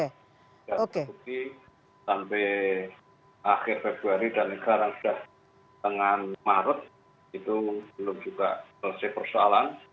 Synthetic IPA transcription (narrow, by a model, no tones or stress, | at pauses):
e | daokeut̪i | sampɛ | ʔaxɪrfeb̥ɾuaɾidankaɾaŋsu̥d̥ah | t̪əŋanmaɾʊt̪̚ | it̪ub̥əlʊmd͡ʒuɡamələsɛhpərsoalan